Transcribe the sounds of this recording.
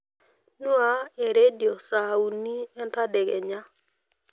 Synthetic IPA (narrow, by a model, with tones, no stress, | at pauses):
nu˦a˦e˨ɾe˦di˨o˨sa˨u˨ni˦ɛ˦nta˦de˨ɡɛ˨ɲa˦